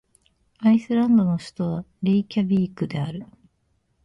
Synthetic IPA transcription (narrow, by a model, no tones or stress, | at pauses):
aisɨɾãnd̪o̞no̞ɕi̥t̪o̞βaɾeikʲabʲiːkɯ̟d̪e̞aɾɯ̟